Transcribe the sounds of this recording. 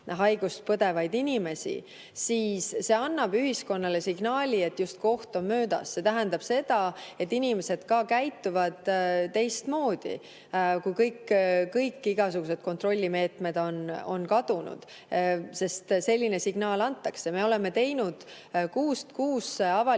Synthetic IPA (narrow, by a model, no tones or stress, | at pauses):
ɦɑjɡ̥ust̪̚pɤd̪e̞vɑjd̪inʲime̞sḭ | siːsːe̞ɑnːɑb̥yɦisko̞nːɑle̞siɡ̥nɑːlʲie̞t̪ːˑjust̪ko̞ht̪o̞mmøːd̪̥ɑ̰sse̞t̪æɦænd̪̥ɑb̥se̞d̪̥ɑe̞t̪ːinʲime̞se̞d̪̥kɑːkæjt̪ːˑuvɑd̪̥t̪ːe̞jst̪mo̞ːd̪̥ḭ | kujkɤjkːkɤjkːiɡ̥ɑsuɡ̥use̞d̪̥ko̞nt̪ro̞lʲːime̞ːt̪me̞d̪̥o̞no̞nkɑd̪̥unṵd̪̥ | se̞st̪se̞lʲːine̞siɡ̥nɑːlɑnt̪ːˑɑkse̞me̞o̞le̞mːe̞t̪e̞jnud̪̥ | kuːst̪kuːseɑvɑ